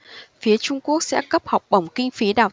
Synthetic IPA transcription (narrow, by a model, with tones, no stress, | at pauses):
fi˨˦ət͡ɕʊ˧ŋ͡mku˦˥ək̚sɛ̰˧˥kə˦˥p̚ha˨˩wk͡p̚ɓə˨˧˩wŋ͡mkï˧ŋ̟fi˨˦ɗaː˨˩w